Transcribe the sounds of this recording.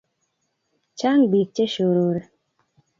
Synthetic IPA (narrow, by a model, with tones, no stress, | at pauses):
t͡ʃa˦ŋbi˨k̚t͡ʃe˦ʃo˨ɾo˨ɾe˨